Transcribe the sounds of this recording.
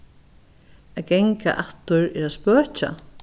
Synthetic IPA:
aɡɛŋka̰ʔaht̪ʊɾɛɾaðspœːt͡ʃa̰

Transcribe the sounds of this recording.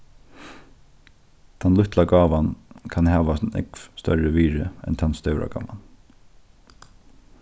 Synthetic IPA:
t̪ʰanlʊht̪laɡaːʋankʰanɦæːʋasnɪ̰kfst̪œ̰ɹəʋiːɹɪɛ̰nt̪ʰanst̪œwɾa̰ɡa̰ːʋa̰n

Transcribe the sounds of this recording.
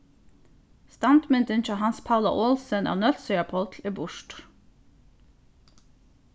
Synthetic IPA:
st̪ɑnt̪mɪnt̪ənt͡ʃɔhɑnspʰɑʊlɑ̰ʔoːlsənʔæ̰ːʁnœlsœʏɑpʰɔlt̪ʰleːbʊʃʈ

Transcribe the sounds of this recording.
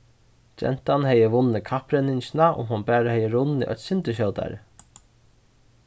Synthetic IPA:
d͡ʒɛ̰n̥t̪anhɛjːəʋʊnːəkʰapɾɛnɪɲt͡ʃɪnaʊ̰mɦʊnbæːɾahɛjːəɾʊnḭʔœ̰t̪sɪnt̪əɕ̬joːt̪a̰ɾ̰

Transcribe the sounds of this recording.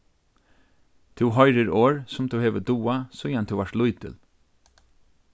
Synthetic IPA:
t̪ʰʊwɦɔjɾɪɾoːɹsʊmt̪ʰuheːʋəd̪uːasʊjant̪ʰuwʋaɾʈ̪lʊjt̪ʰɪ̰l

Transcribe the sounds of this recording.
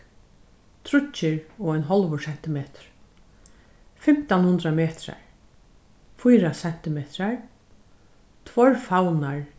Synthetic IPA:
t̪ʰɾʊt͡ʃːɪɹɔːajnɦɔlʋʊɹsɛn̥t̪ɪmeːt̪ɾ̥ | fɪm̥t̪anhʊnd̪ɾameːt̪ɾa̰ɹ | fujɾasɛn̥t̪ɪmeːt̪ɾaɹ | t̪ʰvɔɹfawnaɹ

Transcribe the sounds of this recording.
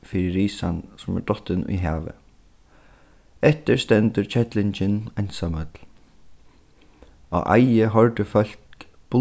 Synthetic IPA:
fɪɾɪɾiːsansʊmɛ̰ɹd̪ɔt̪ːɪnʊ̰jɦæːʋə̰ | ɛht̪ɪɹst̪ɛnt̪ʏɾt͡ɕʰɛt̪lɪɲt͡ɕɪnansamœt̪l | a̰ʔa̰jɪɦɔɹt̪əfœl̥k | b̥ʊ

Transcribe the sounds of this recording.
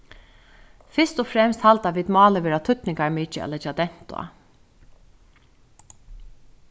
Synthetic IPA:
fɪ̥st̪ʊfɾɛmst̪halt̪aʋiːd̪mɑːləʋeːɾat̪ʰʏt̪nɪŋkaɹmiːt͡ʃɪɛ̰lɛt͡ʃːad̪ɛn̥t̪ʊ̰a̰

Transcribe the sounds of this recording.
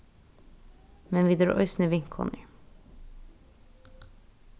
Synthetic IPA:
mɛnʋiːd̪ɾʔɔ̰ʏsnəʋɪŋkʰɔ̰nɪ

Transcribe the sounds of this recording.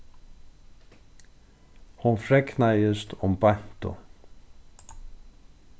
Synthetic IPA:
hunfɾɛknajɪst̪ɔmpajn̥t̪ʊ̰

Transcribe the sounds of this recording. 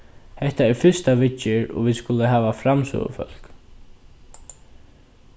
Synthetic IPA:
hɛht̪aɛɹfʏst̪aʋɪt͡ʃːɪɹɔ̰ʋiːskʊləɦaːvafɾamsœ̰ːɣə̰fœ̰l̥k

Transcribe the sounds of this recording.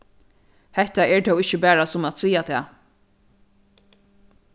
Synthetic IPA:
hɛht̪aɛɹt̪ʰɛwɪçt͡ʃːəbæːɾasʊmat̪siːat̪ʰɛ̰ː

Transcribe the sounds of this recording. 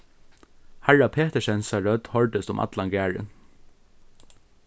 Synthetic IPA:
hæɹapʰeːt̪ɛʃɛnsaɹœt̪hɔɹd̪əst̪ʊmʔa̰t̪lanɡæːɹɪ̰n

